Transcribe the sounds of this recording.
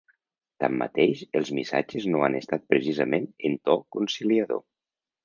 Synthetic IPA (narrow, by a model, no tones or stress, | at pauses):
t̪a̰mːa̰t̪eʃəlˠzmisa̰d͡ʒeznoanest̪at̪̚pɾesizəmenent̪ɔkunsiliaðo̰